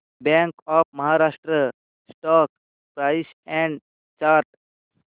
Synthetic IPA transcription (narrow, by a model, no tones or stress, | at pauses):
bɛ̃ŋkɔːpʰməɦaɾasʈɾə | sʈɔːk | pɾaɪs | ɛ̃ɳɖ | t͡ʃaːɾʈ